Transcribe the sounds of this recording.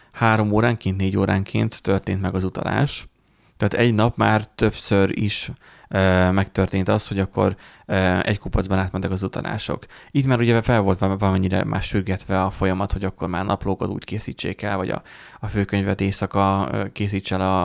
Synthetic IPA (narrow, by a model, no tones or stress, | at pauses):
haːɾo̞moːɾaːŋkeːnt̪neːɟoːɾaːŋkʰḛːnt̪ːørt̪eːnt̪mɛɡɒzut̪ɒ̰la̰ːʃ | t̪ɛːt̪ɛɟnɒpmaːrt̪ø̞psøɾḭʃ | mɛkt̪ørt̪eːnt̪ɒst̪ho̞ɟɒkːo̞̰ɾ | ɛ̰ckupozbɒnaːt̪mɛnt̪ɛkɒzut̪ɒ̰la̰ːʃo̞̰kit̪maːɾuɟɛfɛlvo̞lt̪vɒlɒmɛɲːiɾɛ̰mʔa̰ːʃyrɡɛt̪ʋɛɒfo̞jɒmɒt̪ho̞ɟɒkːo̞rmaːrnɒploːkɒt̪ṵːckeːsḭːt͡ʃːḛːkɛlvɒ̰ɟɒ̰ | ɒføːkøɲvɛt̪eːsɒkɒkeːsiːt͡ʃːɛlɒ